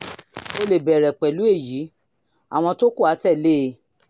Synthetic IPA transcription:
o˧le˨bɛ˨ɾɛ˨k͡pɛ˨lu˨˦e˦˨ji˨˦ | a̰˨w̃ɔ̃˧to˦ku˦˨a˨˦tɛ˦˨leː˦

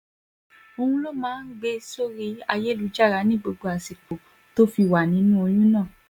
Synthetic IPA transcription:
o˧hũ˧lo˦˨mãː˦n̩˦ɡ͡be˧so˦ɾi˦a̰˧je˦lu˨˦d͡ʒa˦˨ɾa˨˧˦nĩ˦ɡ͡bo˧ɡ͡bo˧a˨si˨k͡po˨ | to˦fi˧wa˨nĩ˨˦nũ˦o˧jũ˦nãː˦˨

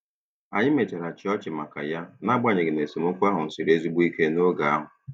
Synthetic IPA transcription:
a̰˨ɲɪ˦me˨t͡ʃe˨ɾa˨t͡ʃɪ˨ɔ˦t͡ʃɪ˨ma˨ka̰˨ja˦na˦ɡ͡ba˦˨ɲɪ˨ɡɪ˨ne˨si˨mʊ˦kʷa˦ɦʊ˨n̩˨si˨ɾe˦zu˦ɡ͡bu˦i˦ke˦no˦ɡa˨a˦ɦʊ˨

